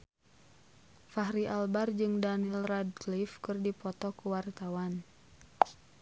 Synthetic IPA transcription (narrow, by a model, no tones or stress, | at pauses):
faɦɾiʔalbard͡ʒɨŋdanilrad̚klifkɨrdipɔt̪ɔkuwart̪awan